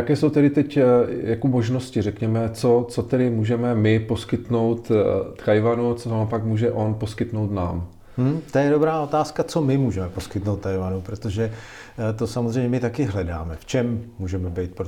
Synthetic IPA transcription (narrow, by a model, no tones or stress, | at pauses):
jakɛːsowt̪ɛɾɪt̪ɛcjakomoʒno̞scɪrɛkɲɛmɛt͡so̞t͡sot̪ɛdɪmuːʒɛmɛmɪpo̞skɪt̪no̞wt̪t̪ajvanut͡soopakmuːʒɛʔo̞npo̞skɪt̪nowt̪na̰ːm̩ | m̩t̪ojɛdo̞bɾaːo̞t̪aːskat͡so̞mɪmuːʒɛmɛpo̞skɪt̪nowt̪t̪ajvanupɾot̪o̞ʒɛ | t̪o̞samozr̝ejmɲɛmɪt̪akɪɦlɛda̰ːmɛft͡ʃɛmːuːʒɛmɛbɛjt̪̚pɾo